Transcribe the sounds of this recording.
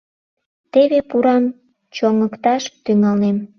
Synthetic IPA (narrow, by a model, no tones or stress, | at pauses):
t̪eβepuɾɑm | t͡ɕoŋəkt̪ɑʃt̪yŋɑlnem